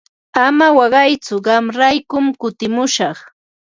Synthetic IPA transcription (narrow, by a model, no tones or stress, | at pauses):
amawɑɢɑjt͡sʊɢɑmɾajkʊmkʊt̪ɪmʊʃɑχ